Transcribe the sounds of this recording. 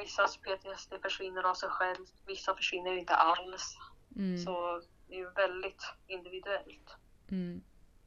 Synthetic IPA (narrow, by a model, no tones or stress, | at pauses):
vɪsːaspʰeːt̪ʰɪɛsd̪ɛfœʂvɪnːəɾavsɛjɧɛlvvɪsːafœʂvɪnːəjɪnt̪ə̰ʔalssɔ | d̪ɛjɵvɛld̪ɪt̪ɪnd̪ɪvɪd̪ɵɛlt̪